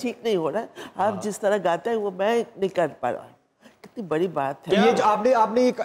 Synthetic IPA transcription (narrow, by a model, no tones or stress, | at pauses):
ʈʰiːknɐɦĩɦoːɾaaːpd͡ʒɪst̪ɐɾaɡaːt̪aɦɛʋomɛ̃nɪ̃kəlpa̰ɾã̰ | kɪt̪nibɐɽibaːt̪ɦɛjed͡ʒoaːpneaːpneeːk